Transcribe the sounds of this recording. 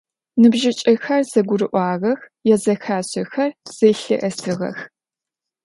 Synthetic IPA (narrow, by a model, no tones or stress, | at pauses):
nɨbʒɪt͡ʃʼɐxɐrz̥ɐɡʷʊrɨʔʷɑːʁɐx | jɛzɐxaːɕɪxɐrz̥eɬɨ̰ʔɐsɨʁɐ̰x